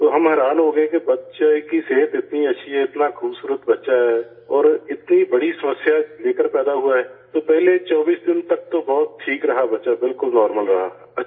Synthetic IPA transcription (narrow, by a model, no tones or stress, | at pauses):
t̪oːɦɐmɦɛːɾaːnɦoɡɐẽkebɐtːʃakiseːt̪ɪt̪niɐtːʃʰiɦɛɪt̪nakʰuːbsuːɾət̪bɐtːʃaɦɛː | ɔːɾɪt̪nibɐɽisɐməsjaleːkəɾpɛːd̪aɦuaɦɛːt̪opɛɦlet͡ʃɔːbiːsd̪ɪnt̪ɐk̚t̪obɔːʊt̪̚ʈʰːiːkɾɐɦabɐtːʃabɪlkʊlnɔːɾməlɾɐɦa | ɐ